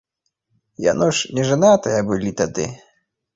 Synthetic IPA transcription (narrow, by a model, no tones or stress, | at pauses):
ja̰nɔʂnʲɛʐɨnat̪ɐjɐbɨlʲit̪ad̪ɨ̰